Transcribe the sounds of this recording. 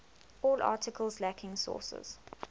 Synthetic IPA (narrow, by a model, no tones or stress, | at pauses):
ɔːlɑ̰ːˑtɪkʰəlˠzlækʰɪ̃ŋsɔ̰ːsə̰z̥